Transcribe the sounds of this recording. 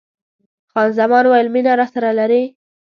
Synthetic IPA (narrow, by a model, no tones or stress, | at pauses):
xɑnzamɑnwɑjɪlminaɾɑsaɾalaɾi